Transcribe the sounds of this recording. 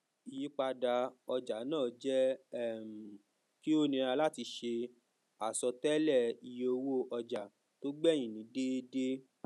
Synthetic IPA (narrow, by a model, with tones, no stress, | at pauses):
i˨ji˨˦k͡pa˧da˧ɔ˧d͡ʒa˨˦nãː˦˨d͡ʒɛ˦˨m̩˨ | ki˦o˦nĩ˧ɾa˧la˦˨ti˧ʃe˧ | a˨sɔ˧tɛ˦lɛ˦˨i˧jo˧wo˦˨ɔ˧d͡ʒa˨ | to˦ɡ͡bɛ˦˨j̃ĩ˨nĩ˨˦de˦de˦